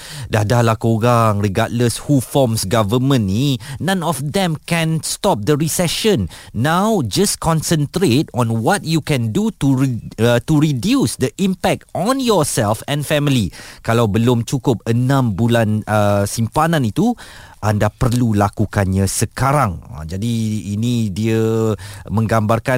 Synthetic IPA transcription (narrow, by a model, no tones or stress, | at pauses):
dadalahkoɡaŋriɡat̚ləshufɔmsɡavəmə̃nːinãnɔfd̪ɛ̃mkɛ̃nstɔp̚d̪əɹisɛʃə̃nːawd͡ʒaskɔ̃nsə̃nt̪ɾetɔ̃nwɔt̚jukɛ̃ndutu | tuɹidjusdəʔĩmpɛk̚tɔ̃njɔsɛlfɛ̃nfɛmilikalawbəlʊmt͡ʃukʊp̚ənãmbulanəsimpanãnit̪u | ʔandapərlulakukanɲasəkaɾãŋa̰d͡ʒadiːnidiə | mə̃ŋɡambarka